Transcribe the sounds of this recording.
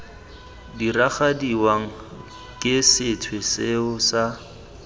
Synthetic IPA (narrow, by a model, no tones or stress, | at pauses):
diraχadiwaŋ̩ | kʼɪsɪtʰwesɪʊsa